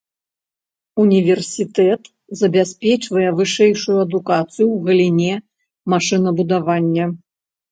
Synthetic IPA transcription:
unʲivʲɛrsʲit̪ɛt̪ | zɐbʲasʲpʲɛt͡ʂvɐjɛvɨʂɛjʂujuɐd̪ukat̪sɨjuwɣɐlʲinʲɛ | maʂɨnɐbud̪avanʲːɐ

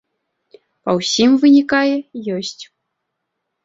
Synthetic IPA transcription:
pɐwsʲimvɨnʲikajɛjɔsʲt͡sʲ

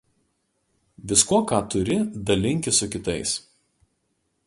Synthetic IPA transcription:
ʋʲɪskuɔkɑːt̪ʊɾʲɪd̪ɐlʲɪŋʲkʲɪsʊkʲɪt̪ɐɪs

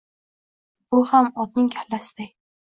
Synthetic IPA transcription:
bʊhamɒd̪nɪŋkʲʰalːasɪd̪aj

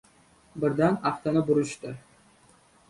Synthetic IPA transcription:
bɪɾd̪anaft̪anɪbʊɾɪʃt̪ɪ

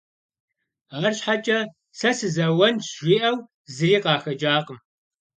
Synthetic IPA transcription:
aːrɕħat͡ʃʼɐ | sɐsɨzɐwɐnʒʷiːʔɐw | zɨriːqɑːxɐd͡ʒaːqʼəm

